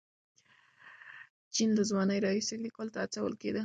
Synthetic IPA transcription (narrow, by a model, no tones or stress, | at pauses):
t͡ʃind̪əzwɑnəjɾɑisɪɡɾikɑlt̪aːt͡sawə̰lked̪ə